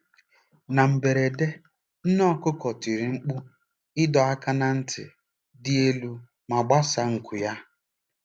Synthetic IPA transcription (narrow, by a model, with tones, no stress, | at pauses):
na˨m̩˨be˨ɾe˨de˦ | n̩˦nɔ˦kʊ˦kɔ˨ti˨ɾi˨ŋ͡m̩˦k͡pu˦ | ɪ˦dɔ˨a˦ka˦na˨n̩˦tʰɪ̰˨ | dɪ˦e˦lu˦ | ma˨ɡ͡ba˦sa˦ŋ̩˨kʰu˨ja˦